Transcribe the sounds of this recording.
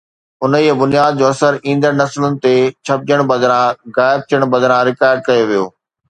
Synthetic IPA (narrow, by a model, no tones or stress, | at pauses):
ʊnəibʊnijaːd̪̚d͡ʑoːɐsəɾĩːnd̪əɾnɐslʊnɪ̆t̪et͡ɕʰɐb̚d͡ʑəɽ̃bɐd̪ʱɾãɣaːɪb̚t̪ʰijəɽ̃bɐd̪ʱɾãɾɪkaːɪɖ̚kɐjoʋijoː